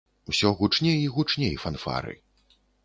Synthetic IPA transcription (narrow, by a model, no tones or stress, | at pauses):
wsʲɔɣut͡ʂnʲejiɣut͡ʂnʲejfanfa̰ɾɨ̰